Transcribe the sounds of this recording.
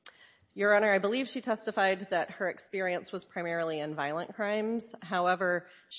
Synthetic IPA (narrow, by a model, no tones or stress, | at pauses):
jə˞ɑnə˞aɪbəliv̥ʃitʰɛstɨfaɪd̪̚ðɨt̚hə˞ɨkspɪɹiɨ̃nswʌz̥pʰɹ̥aɪmɛɹl̩ˠiɨ̃nvaɪl̩ˠə̃nkʰɹ̥ãɪ̃mz̥ɦaʊɛvə˞ | ʃ